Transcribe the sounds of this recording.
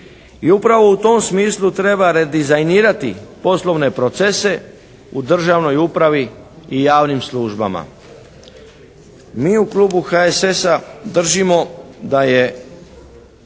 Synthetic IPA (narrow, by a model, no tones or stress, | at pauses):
iupɾaʋo̞ut̪o̞msmiːslˠut̪ɾe̞baɾed̪izajniːɾat̪ipo̞slˠo̞ʋne̞pɾo̞t̪sese̞ | ud̪r̩ʒaʋno̞jupɾaʋiː | jaːʋnimslˠuːʒba̰ma̰ | miːuklˠuːbuxaesesad̪r̩ʒimo̞d̪aje̞